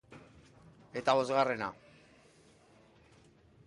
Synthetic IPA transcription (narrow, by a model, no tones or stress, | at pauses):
e̞t̪aβo̞zɣare̞na